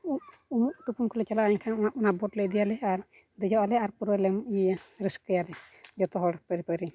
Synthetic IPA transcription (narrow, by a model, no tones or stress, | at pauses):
uʔ | umuʔt̪upunkɔlɛt͡ʃalaʔaɲkʰanaʔɔnaʔbɔʈləjd̪ijalɛaɾ | d̪ɛd͡ʒɔʔalɛaɾpuɾəlɛmʔjijaɾəskəjalɛd͡ʒɔt̪ɔɦɔɽpəɾipəɾi